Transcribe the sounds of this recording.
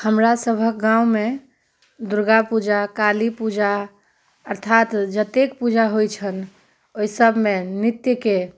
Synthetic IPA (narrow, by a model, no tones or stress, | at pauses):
həmɾasəbʱək̚ɡãume | d̪uɾɡapud͡ʒakalipud͡ʒa | əɾt̪ʰat̪d͡ʒət̪ek̚pud͡ʒaɦojt͡ʃʰən | oisəbʱmenit̪jəke